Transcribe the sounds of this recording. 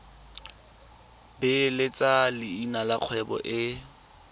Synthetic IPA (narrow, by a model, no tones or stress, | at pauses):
bɪlɪt͡sʼalɪinalaq͡χʰwɛbɔ̰ʔɪ